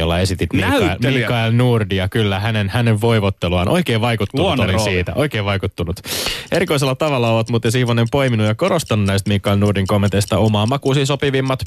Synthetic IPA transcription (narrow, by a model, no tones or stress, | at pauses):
olːɑe̞sit̪it̪miilkːɑlnurdiɑkylːæhænenhæneʋʋo̞ijʋot̪ːeluɑ̰nʔo̞̰ikeːʋʋɑjkut̪ːunuolisiːt̪æ̰ʔo̞ikeːʋʋɑjkut̪ːunut̪e̞ɾiko̞is̬elːɑt̪ɑʋɑlːɑoʋɑt̪mut̪josihʋonempo̞iminujɑko̞ɾost̪ɑnunæist̪mikːˑɑilnuːrdiŋkomːent̪eist̪ɑomɑːmɑkuːsiːsopiʋimːɑt̪